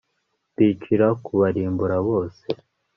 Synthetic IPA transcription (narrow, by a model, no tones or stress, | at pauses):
βiːt͡ʃiɾakuβaɾiːmbuɾaβo̞ːse